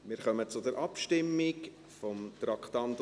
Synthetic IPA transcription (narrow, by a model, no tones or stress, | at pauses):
mɪːɾχœmət͡sʊdɛɾʔɑpʃtɪmːɪk | fɔmt̪ɾɑkχt̪ɑnt̪